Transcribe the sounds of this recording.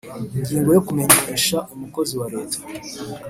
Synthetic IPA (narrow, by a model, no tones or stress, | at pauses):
iɲɟiːŋɡo̞jokume̞ɲeːʃaumuko̞ziwaɾe̞ːtḁ